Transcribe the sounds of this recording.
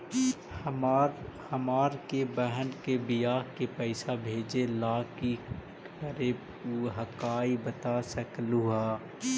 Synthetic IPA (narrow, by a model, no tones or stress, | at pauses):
hɐmaːɾkebəɦənkebijaːɦkepɛɪsabʱeːd͡ʒelaːki | kəɾe | uɦəkaːibət̪aːsɐkluɦaː